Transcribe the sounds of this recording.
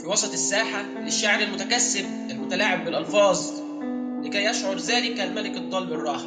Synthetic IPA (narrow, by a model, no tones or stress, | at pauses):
fiwɑsˤɑt̪ˤesːaːħa | lɪʃːaʕɾelmʊt̪ækæsːɪb | ʔelmʊt̪ælaːʕebːɪlʔɑlfɑːzˤ | lɪkæjːæʃʕoɾˤzæːlɪkælmæleket̪ˤːɑːlberˤːɑːh